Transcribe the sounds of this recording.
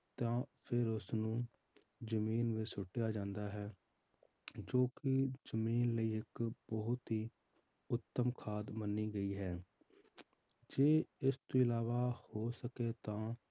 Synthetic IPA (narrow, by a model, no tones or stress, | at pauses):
t̪ãːpʰɪɾʊsnũː | zəmiːnʋisʊʈːjaːd͡ʒãːnd̪aːɦɛː | d͡ʒoːkɪzəmiːnləiːɪkbəɦʊt̪ɦiː | ʊt̪ːəmkʰaːd̪mənːiːɡəiːɦɛː | d͡ʒeːɪst̪ũːɪlaːʋaːhoːsəkeːt̪ãː